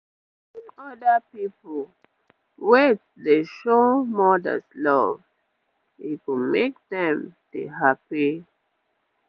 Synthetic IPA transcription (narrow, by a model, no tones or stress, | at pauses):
inɔdəpipɔ | wet | deʃomɔdə̰slɔv | ikumek̚dɛ̃mdḛɦapi